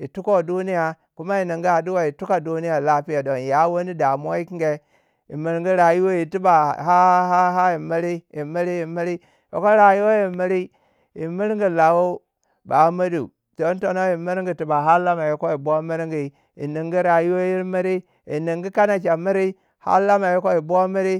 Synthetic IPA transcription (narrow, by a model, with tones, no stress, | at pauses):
ji˨tu˦ko˦˨du˦ni˦ja˨ | ku˦ma˦i˨ni˨ŋɡi˦a˨du˦wa˦ji˨tu˦ka˨du˦ni˦ja˨la˦pi˦ja˨do˨n˨ja˨˦wo˦ni˦da˨m˦o˦i˦ki˦ŋ˦ɡe˦ | ḭ˨mi˨ɾi˦ŋɡi˦ɾa˨ju˦wo˦ji˨ti˦ba˨ɦa˦ɦa˦ɦa˦ji˨mi˦ɾi˦ji˨mi˦ɾi˦ji˨mi˦ɾi˦ | jo̰˨ko˦ɾa˨ju˦wo˦ji˨mi˦ɾi˦ | ji˨mi˦ɾŋɡi˨la˨wo˦ | ba˨˦mi˦dṵ˨ | d̥o˨˦n˦to˦no˦ji˨mi˦ɾi˦ŋɡi˨ti˨ba˨ɦa˦la˦ma˨ji˦ko˦i˨bo˦mi˦ɾŋɡi˨ | jḭ˨ni˨ŋɡi˦ɾa˨ju˦wo˦ji˦ɾmi˦ɾi˦ | i˨ni˨ŋɡi˦ka˦na˨t͡ʃa˨mi˦ɾi˦ | ha̰˦la˦ma˨ji˦ko˦i˨bo˦mi˦ɾi˦